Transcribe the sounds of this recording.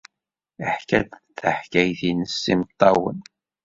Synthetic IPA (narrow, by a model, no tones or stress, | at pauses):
əħkæd̪θəħkæjθinəsːimt̪ˤːɑwə̰n